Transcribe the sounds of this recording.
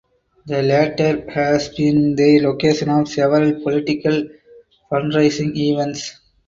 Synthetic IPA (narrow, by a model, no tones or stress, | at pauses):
d̪ɐlæʈəɾhæsbĩnd̪iloːkeːʃə̃nɔːʋsɛʋəɾəlpɔlɪʈɪkɐl | fɐ̃nɾaɪsɪ̃ŋiʋɛ̃nʈs